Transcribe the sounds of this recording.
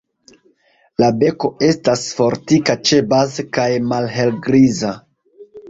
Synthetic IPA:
labe̞ko̞e̞stasfo̞ɾtikat͡ʃebazkajmalɦe̞lɡɾiza

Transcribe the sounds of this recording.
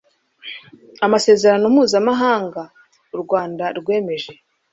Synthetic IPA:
amase̞ːze̞ɾanomuːzamaɦaːŋɡa | uɾɡwaːndaɾɡwe̞ːme̞ʒe̞

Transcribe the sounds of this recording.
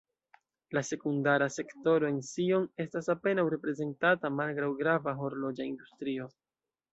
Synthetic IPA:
lase̞kundaɾase̞kto̞ɾo̞ensio̞ne̞stasape̞nawɾe̞pɾe̞ze̞ntatamalɡɾawɡɾavaɦo̞ɾlo̞d͡ʒaindustɾio̞

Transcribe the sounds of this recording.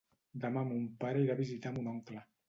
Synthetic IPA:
d̪amamumpaɾəiɾaβizit̪amunɔŋkla

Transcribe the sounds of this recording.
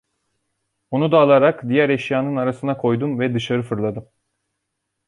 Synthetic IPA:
onud̪aːlˠaɾakd̪ijæɾeʃjaːnɯnaɾasɯnakʰo̞jd̪umvɛd̪ɯʃaɾɯfɯɾlˠad̪ɯm

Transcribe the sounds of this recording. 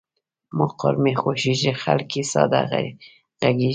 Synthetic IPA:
moqɔ̰ɾmexoʃiʒixa̰lkisɑ̰d̪aɣa̰ɾ | ɣaɡi

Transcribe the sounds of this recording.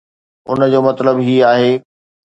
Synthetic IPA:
ʊ̰nd͡ʑoːmɐt̪ləbɦiːaːɦeː

